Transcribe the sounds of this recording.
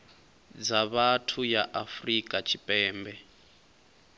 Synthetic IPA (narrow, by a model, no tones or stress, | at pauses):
d͡zaβatʰujaʔafrikʼat͡ʃʰipʼɛːmbɛ